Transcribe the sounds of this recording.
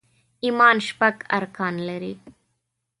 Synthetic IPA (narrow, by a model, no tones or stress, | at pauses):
imaːnʃpɐkɐ̰ɾkaːnlɐɾi